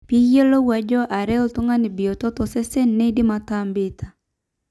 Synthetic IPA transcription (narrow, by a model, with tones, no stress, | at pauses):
pi˦je˦lo˦wa˨d͡ʒɔ˦ʔa˨ɾɛ˦ɔ˦tu˦ŋa˦ni˨bi˨jo˨tɔ˦tɔ˨sɛ˦sɛ˦nːe˦i˦di˦ma˨tambɪ˦tʰa˨